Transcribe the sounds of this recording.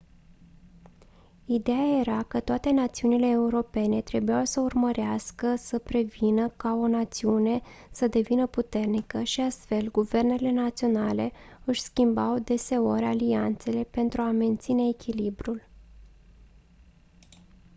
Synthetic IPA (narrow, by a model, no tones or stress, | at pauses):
id̪e̞aje̞ɾakət̪oat̪e̞nat̪siunile̞ːuɾo̞pe̞ne̞t̪ɾe̞bujawsəurməɾeaskəsəpɾe̞vinəkao̞nat̪siune̞səd̪e̞vinəput̪e̞rnikəʃiast̪fe̞lɡuve̞rne̞le̞nat̪sio̞nale̞ɨʃʲskʲimbawd̪e̞se̞o̞ɾʲaliant̪se̞le̞pe̞nt̪ɾuame̞nt̪sine̞ːkʲilibɾul